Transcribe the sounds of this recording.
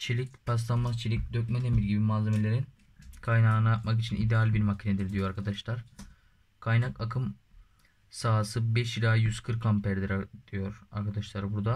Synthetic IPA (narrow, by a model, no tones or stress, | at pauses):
t͡ʃʰelʲic̚pʰas̬lˠanmazt͡ʃʰelʲic̚d̪øc̚mɛd̪e̞milʲɟibimaːze̞me̞lʲe̞ɾin | kʰajnaːnɯat̪makit͡ʃʰinid̪ɛalʲbiɾmacʰined̪iɾd̪ijoaɾkʰad̪aʃlˠaɾ̥ | kʰajnakakʰɯm | saɦasɯbɛʃilʲaːjyzkʰɯɾkʰːampæɾd̪iɾad̪̥ijo̞ɾaɾkʰad̪aʃlˠaɾbuɾd̪a